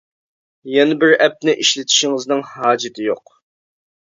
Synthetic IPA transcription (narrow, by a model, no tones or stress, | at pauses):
jɛnɪbɪɾɛp̚nɪʔiʃlɪt̪ʰɪ̥ʃɪŋɨznɨŋhɑːd͡ʒɪt̪ʰɪjoq